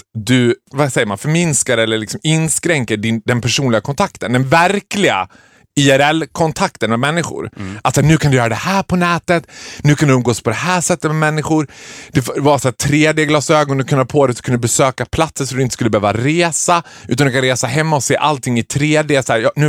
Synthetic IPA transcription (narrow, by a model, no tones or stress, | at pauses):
t̪d̪ɵvasɛjːəɾma̰nfœɾmɪnskaɾɛlːəɭɪksɔmɪnskɾɛŋkəɖɪnd̪ɛnpʰæʂuːnlɪɡakʰɔnt̪ʰakt̪ənd̪ɛnvæɾklɪɡa̰ | ɪɛɾɛlːkʰɔnt̪ʰak̚t̪ənmɛmɛnːɪɧʊ̰ɾat̪ːsæːɳʉ̟ːkʰand̪ʏjœːɾad̪ɛhæːɾpʰɔnɛːt̪ət̪nʉ̟kʰand̪ɵɵmɡoːspʰɔd̪ɛhæːʂɛt̪ːət̪̚mɛmɛnːɪɧʊɾd̪ɛfvɑːɾasaːt̪ʰɾeːd̪eːɡlɑːsøːɡɔnd̪ɵkʰɵndpʰoːd̪ɛsɔ̥kʰɵnəbɛsøːkapʰlat̪səʂɔd̪ɵɪnt̪ə̥skɵlːəbɛøːvaɾeːsa | ʉ̟ːt̪and̪ɵ̟kʰanɾeːsaɦɛmːaɔseːʔalt̪ʰɪŋːɪt̪ʰɾeːd̪eːsæːɾjɑːnʉ̟ː